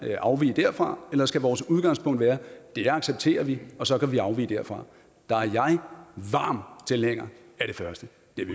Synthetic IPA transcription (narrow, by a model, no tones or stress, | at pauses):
ʔɑ̈ʊʋḭːd̥æɐ̰fʁɑ̈elɐskɡ̥æʋɒːsuð̞ˠɡ̥ɑ̈ŋspʰɔ̽ŋ̰d̥ʋæːɐd̥e̝jɑ̈ɡ̥seb̥̚t͡sʰe̝̰ːɐʋiɒ̽sɒ̽kæʋiɑ̈ʊʋḭːd̥æɐfʁɑ̈ | d̥ɑ̈æɐjɑ̈ɪʋɑ̰̈ːmt͡sʰe̝lheŋ̰ɐ | æɐɾ̥e̝fɶɐsd̥ə | d̥e̝ʋi